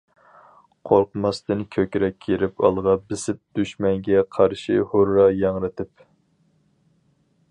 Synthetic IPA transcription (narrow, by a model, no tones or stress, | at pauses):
qʰoɾqmɑst̪ɨnkʲʰøkʲɾɛkʲʰːeɾɪpɑ̰lˠʁɑbɪsɪp̚d̪̥yʃmɛŋɡʲɛqʰɑɾʃihoɾːɑjɑŋɾɨt̪ʰɪp